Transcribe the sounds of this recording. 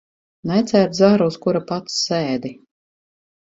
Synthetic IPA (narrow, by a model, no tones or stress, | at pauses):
nɛt̪sæːɾt̪zaɾuskuɾapat̪ssɛːd̪i